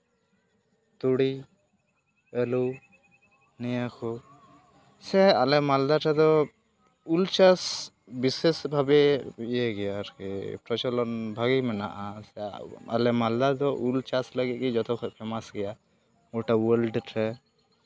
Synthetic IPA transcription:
t̪uɽi | ɛlu | nijakʰɔ | sɛalɛmald̪aʈʰɛd̪ɔ | ult͡ʃas | bisesbʱabɛijɛɡɛjaɾkɛpɾɔt͡ʃɔlɔnbʱaɡimɛna̰ʔasɛa̰lɛmald̪ad̪ɔʔult͡ʃasləɡit̪̚kɛd͡ʒɔt̪ɔkʰɔpʰɛmasɡɛja | ɔʈawəlɖʈʰɛ

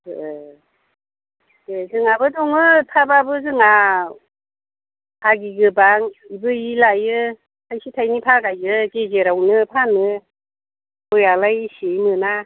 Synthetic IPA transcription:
ɯ | ezɯŋabɯdɔŋɯtʰababɯzɯŋa | ɡiɡɯbaŋibɯilajɯ | tʰajsitʰajnipʰaɡajɯɡezeɾawnɯpʰanɯ | ɔjalajsejmɯna

